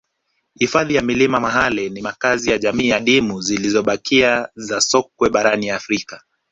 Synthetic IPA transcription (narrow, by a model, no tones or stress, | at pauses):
hifaðijamilimamaɦalinimakazijaʄamiːjaɗimuzilizɔɓakʰiazasɔk̚wɛɓaɾaniafɾika